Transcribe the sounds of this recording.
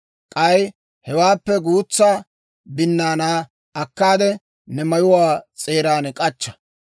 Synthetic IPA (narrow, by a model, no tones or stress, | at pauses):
kʼɐj | hɛwaːpːɛɡuːt͡sːaː | bɪnːaːnaː | ɐkːaːd̪ɛ | nɛmɐjʊwaːt͡sʼeːɾaːnkʼɐt͡ʃːɐ̥